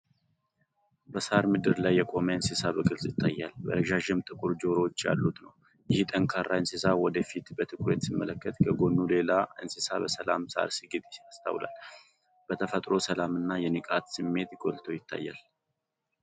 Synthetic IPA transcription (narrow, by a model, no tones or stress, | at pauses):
bəsaɾmɨd̪ɨɾlajːɛkʼo̞məɨnsisabəɡɨlsʼjɪt̪ʰːajːalbə̰ɾəʒaʒɪmt̪ʼɨkʼuɾd͡ʒo̞ɾot͡ʃːja̰lːut̪nəw | jɪht̪ʼəŋkʰaɾːaɨnsisawɔd̪əfit̪bət̪ʰɨkʼwet̪simːələkːət̪kʰəɡo̞nːule̞laɨnsɨsabəsəla̰msa̰ɾsiɡɨt̪ʼɪast̪ʰa̰wla̰l | b̥ət̪ʰəfət̪ʼɾo̞səlamɨnːajɛnɨkʼat̪sɨmːe̞t̪ɡo̞lt̪ʰəwjɪt̪ʰːa̰jːal